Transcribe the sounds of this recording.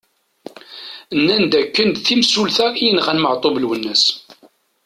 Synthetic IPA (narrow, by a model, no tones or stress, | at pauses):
nːænd̪ækːənd̪θimsulθæijənʁænməʕt̪ˤobəlwənːəs